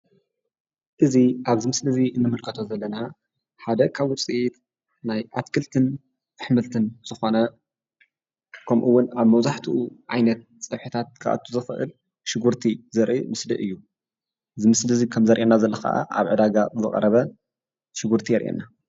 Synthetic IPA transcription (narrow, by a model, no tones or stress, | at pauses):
ʔɨziʔaβzɨmɨslɨziɨnːɨmɨlkʰɐt̪ʰo̞zɐlːɐna | ħad̪ɐkʰaβʊt͡sʼiʔit̪ | najʔat̪kʰɨlt̪ʰɨn | zɨħmɨlt̪ʰɨnz̥ɨxo̞nɐ | kʰɐmʔuwːʊnaβmɐwzaħt̪ʰiʔuʕajnɐt̪̚t͡sʼɐβħɨt̪ʰat̪̚kʰaʔa̰t̪ʰːuzɨfɨʔɨ̰l | ʃɪɡuɾt̪ʰizɐɾʔḭmɨslɨʔɨjːu | zɨmɨslɨzikʰɐmzɐɾʔenːazɐlːɐxa̰ʔa̰ʔa̰βʕɨd̪aɡazɨχʼɐ̰ɾɐβɐ | ʃɪɡuɾt̪ʰijɛɾʔḛnːa